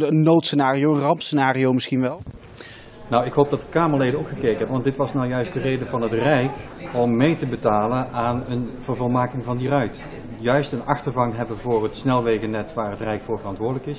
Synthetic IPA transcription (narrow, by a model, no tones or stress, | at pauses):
ənːowtsənaːrijowənrɑmpsənaːriowmɪsχinʋɛlˠ | nɔwɪkɦowp̚dɑt̚dəkaːməɹlejdəowkχəkejkənɦɛpəʋɑntdɪtʋɑsnawjœɥsdərejdəvɑnɦətrɛjk | ɔmːejtəbətaːlənaːnənvəɹvɑlˠmaːkɪŋvɑndirœɥt | jœɥstənɑχtəɹvɑŋɦɛbənvʊːrətsnɛlˠʋejɣənɛtʋaːrɦətrɛjkfʊːɹvərɑntʋʊːɹdələkɪs